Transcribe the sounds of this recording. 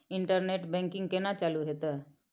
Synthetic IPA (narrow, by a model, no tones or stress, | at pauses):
ɪɳʈəɾneːʈbɛ̃ːŋkɪ̃ŋɡkenat͡ʃaːluɦet̪ə